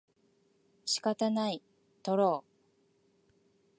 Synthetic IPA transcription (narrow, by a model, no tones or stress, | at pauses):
ɕi̥kat̪anai | t̪oɾoː